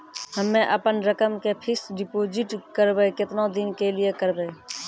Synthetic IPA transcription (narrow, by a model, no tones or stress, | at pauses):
həmːẽʔəpənɾəkəmkepʰɪsɖɪpoːd͡ʒɪʈkəɾbekɪt̪nõd̪ɪnkeliekəɾbeː